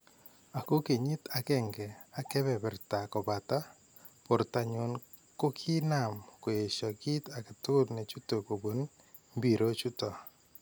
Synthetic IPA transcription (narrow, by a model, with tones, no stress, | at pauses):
a˨ko˦ke˨ɲɪ˦ta˨kɛ˦ŋɡɛ˨a˨kɛ˦bɛ˨bɪ˨rta˨kɔ˨ba˨ta˦ | po˨ɾta˨ɲʊ˨n | ko˦kʰi˦na˨mko˨je˨t͡ʃɔ˨ɡɪ˦ta˨kɪ˨tʊ˦lnɛ˨t͡ʃu˦to˨ko˨bo˨n | mbi˨ɾo˦t͡ʃu˦tɔ˨